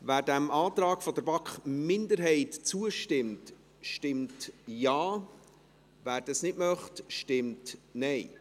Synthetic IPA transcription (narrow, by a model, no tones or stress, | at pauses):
væːɾdæmʔɑːt̪ɾɑːɡ̥fɔd̪əɾbɑkχmɪndəɾɦɛɪtt͡suəʃtɪmt | ʃtɪmtjaː | væːɾd̥ɑsnɪtmœχtʃtɪmtnɛɪ